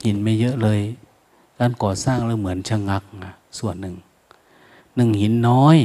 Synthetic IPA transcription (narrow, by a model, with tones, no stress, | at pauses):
hi˨˦nmaː˧˩jɤ˦˥ʔlɤː˧˨j | kaː˧˨nkɔː˨˩saː˥˩ŋlaː˧˩wmɯ˩˦ənt͡ɕʰa˧ŋa˧˦˥k̚ŋa˧˩ | su˨˩ənːɯ˨˩ŋ | nɯ˨˩ŋhi˨˩˦nːɔː˦˧˥j